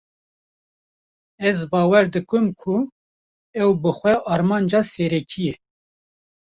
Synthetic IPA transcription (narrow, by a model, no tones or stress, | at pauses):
ɛzbɑːwɛɾd̪ɨkɨmkʰʊ | ɛwbɨxʷɛʔɑːɾmɑːnd͡ʒɑːsɛɾɛkʰijɛ